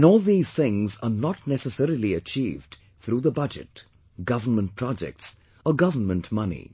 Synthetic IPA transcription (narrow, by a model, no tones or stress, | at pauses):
nɔːlˠðiːz̥t̪ɪ̃ŋzənɔʈ̚nɛsəsɛɾiliət͡ʃiːvɖ | t̪ʰɾuːðəbʌd͡ʒɨ̰t | ɡʌvəmə̃nt̚pʰɾɔd͡ʒɛ̰k̚ʈs | ɔɡʌvənmə̃ntmʌnḭ